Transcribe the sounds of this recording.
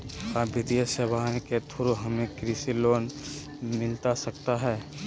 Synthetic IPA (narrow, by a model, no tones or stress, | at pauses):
abɪd̪ijəsəbãːket̪ʰʊɾoɦɐmẽkɾisiloːn | mɪlt̪asək̚t̪aɦɛː